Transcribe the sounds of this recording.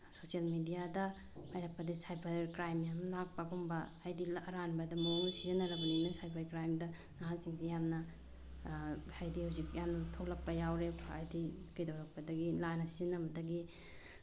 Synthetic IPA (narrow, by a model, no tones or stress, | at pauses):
sosijɐlmidijadɐ | majɾɐk̚pɐdiisajbʰɐɾkɾajmjamlak̚pɐɡumbɐːjdilːɾanbɐdɐmoŋsizɐnɐɾɐbɐninɐsajbʰaɾkɾajmdɐ | naɦasiŋzijamnɐ | hajdihawzikjamnɐtʰoklɐk̚pɐjawɾekʰaajdikɐjdawɾɐk̚pɐdɐɡilanɐsiznːɐbɐdɐɡi